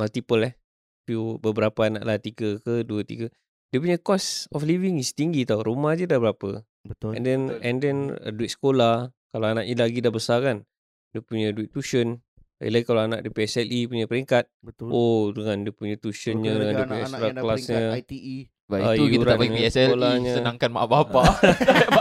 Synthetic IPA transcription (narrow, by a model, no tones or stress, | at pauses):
malt̪ipəlɛh | pubəbəɾapaana̰ʔlaht̪iɡəkəduət̪ḭɡə | diəpuɲakɔsɔfliviŋist̪iŋɡit̪auɾumahd͡ʒədahbəɾapə̰ | bəɛ̰ndɛnɛ̰ndɛnə̰duit̪̚sə̥kola | kalaanaʔɲəlaɡidahbəsakan | diəpuɲəduit̪ːuʃən | a̰ḭlaikalawana̰ʔdiəpiɛsɛlʔipuɲapəɾiŋkat̪̚əodəŋandiəpuɲət̪uʃənɲədəŋaniəpuɲasuɾaklasɲət̪i | baauiuaɾaapiiɛsɛlolaɲəsənãŋkanmaʔbapa